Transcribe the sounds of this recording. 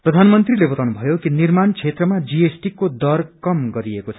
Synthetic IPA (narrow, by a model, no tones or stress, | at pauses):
prʌd̪ʱanmʌnt̪rilebʌt̪awnubʱʌjokinirmant͡sʰet̪rʌmad͡ziesʈikod̪ʌrkʌmɡʌɾiekot͡sʰʌ